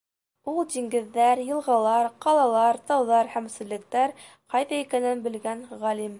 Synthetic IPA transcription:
ulˠd̪iŋɡɘ̆ðːæɾjɤ̆lˠʁɑlˠɑɾqɑlˠɑlˠɑɾt̪ɑwðɑɾhæmsɵ̆ɾlɘ̆k̚t̪æɾ | qɑjðɑikænɘnbɘ̆lɡænʁælim

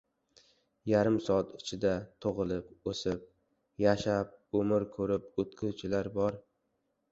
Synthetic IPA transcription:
jaɾɪmsɒɑt̪ʊ̥t͡ʃʰɪd̪at̪ʰoʁɨlˠɪposɪp̚ | jaʃap̚ɵmɪɾkʰɵɾɪp̚ot̪̚qʰʊzt͡ʃʰɪlaɾbɒɾ

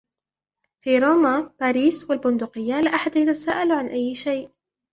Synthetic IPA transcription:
fiːɾoːmab̥aːɾiːswalbʊnd̪ʊqɪjːalaʔaħad̪jat̪asaːʔalʕanʔajːʃajʔ

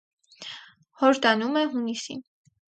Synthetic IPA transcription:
hɔɾd̪ɑnumɛɦunisḭn

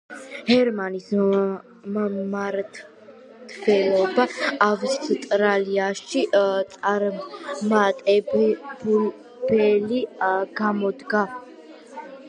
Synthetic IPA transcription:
hɛɾmanis | mmaɾt̪ | t̪ʰvɛlɔbaavsst̪ʼɾaliaʃʃit̪sʼaɾmat̪ʼɛbb | b̥ɛliɡ̥amɔd̪ɡa

